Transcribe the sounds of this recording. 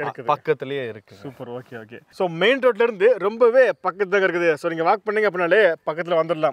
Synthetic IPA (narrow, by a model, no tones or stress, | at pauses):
ɪɾɯkːɐðpɐkːɐt̪ːɪlɐjeːɪɾɯkːɯsɡuːpɐɾoːkeːoːkḛːsoːmeɪnʈɾoːʈ̬lɪɾɯnd̪ɯɾɔmbɐʋeːpɐkːɐt̪ːɯt̪aːŋɡɐɪɾɯkːɯðɯsoːniːŋɡɐʋaːk̚pɐɳːiːŋɡɐp̬ːɽnːaːleːpɐkːɐt̪ːɪlɐʋɐnd̪ɯɽlãːm